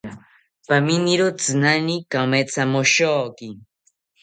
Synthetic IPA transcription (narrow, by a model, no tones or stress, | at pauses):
paminiɾot͡sɨnanikamet͡samoʃoːki